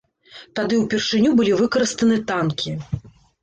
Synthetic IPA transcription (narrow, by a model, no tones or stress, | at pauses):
t̪ad̪ɨwpʲɛrʂɨnʲubɨlʲivɨkɐɾɨst̪ɐnɨt̪ankʲi